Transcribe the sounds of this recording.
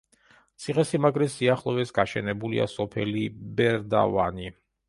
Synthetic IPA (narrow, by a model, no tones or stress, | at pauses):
t̪sʰiχɛsimaɡʼɾɛsiaχlˠɔvɛsɡaʃɛnɛbulḭa̰sɔpʰɛlibɛɾd̪a̰va̰ni